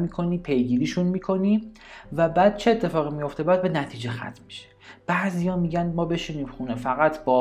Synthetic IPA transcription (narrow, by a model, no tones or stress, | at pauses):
miːkʰo̞niːpʰe̞jɡiːɾiːʃunmiːkʰo̞niː | væbæːd̪̥̚t͡ʃʰe̞et̪ʰːe̞fɒːɣimijo̞ft̪e̞bæːd̪̚be̞næt̪ʰiːd͡ʒe̞xæ̰t̪ʰmi̥ʃe̥b̥æzijɒːmiːɟænmɒːbe̞ʃiniːmxunefæɣæt̪ʰb̥ɒ